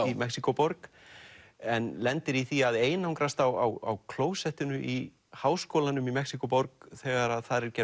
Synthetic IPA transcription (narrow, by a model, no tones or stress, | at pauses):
imɛksikɔpɔɾk | ɛnlɛnt̪ɪɾiθiaðeːjnawŋkɾast̪awa̰wa̰wkʰloːwsɛht̪ʏnʏʔi | haːwskoːwlanʏmimɛksikɔpɔɾkθɛːɣaɾaðθaɾɛɾcɛ